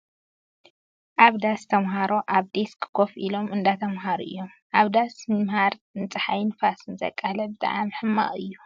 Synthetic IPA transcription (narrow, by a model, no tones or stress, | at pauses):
ʔaβd̪ast̪ʰɐmɦaɾo̞ʔaβd̪eskʰɨ̥kʰofʔilo̞mɨnd̪at̪ʰɐmɦaɾuʔɨ̰jːo̞mʔaβd̪asmɨmhaɾnt͡sʼɨħajnfasɨnzɐ̰kʼːalɐbɨt̪ʼa̰ʕamħɨmːa̰χʼɨjːu